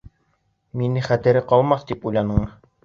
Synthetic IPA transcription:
minɘχæt̪ɘ̆ɾɘqɑlˠmɑθt̪ipujlˠɑnɤɴ

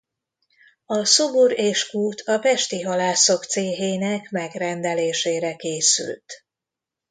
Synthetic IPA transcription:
ɒsobuɾeːʃkuːt̪ʰɒpɛʃt̪iɦɒlaːso̞kt̪seːɦeːnɛkmɛɡrɛnd̪ɛleːʃeːɾɛkeːsy̰lt̪

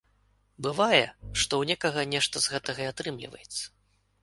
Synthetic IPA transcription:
bɨvajɛ̰ʂt̪ɔwnʲɛkɐɣɐnʲɛʂt̪ɐzɣɛt̪ɐɣɐat̪ɾɨmlʲḭvɐ̰jɛt̪sːɐ̥

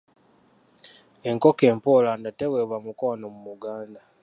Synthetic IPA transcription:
eŋkoke̞ːmpolandateweβwamukanomumuɡaːnda

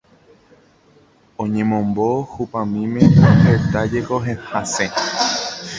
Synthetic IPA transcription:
õɲẽmõmbohupãmĩmẽohet̪ad͡ʒekoɦẽhasẽ

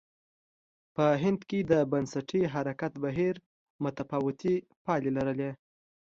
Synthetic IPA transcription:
pəɦɪnd̪ked̪əbansaʈʰiɦaɾakat̪baɦiɾ | mʊt̪afɑwɪt̪i | pɑlelaɾəle

